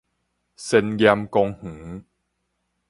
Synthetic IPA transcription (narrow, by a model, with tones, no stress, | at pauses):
se˧njɛ˧mkɔ˧ŋhu˨˩˦